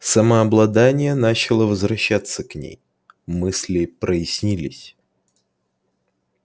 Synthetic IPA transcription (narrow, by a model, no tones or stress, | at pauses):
səməɐblˠɐd̪anʲɪjənat͡ɕɪlˠəvəzvɾɐɕːat̪sːəknʲḛj | mɨsʲlʲɪpɾəjɪsʲnʲilʲɪsʲ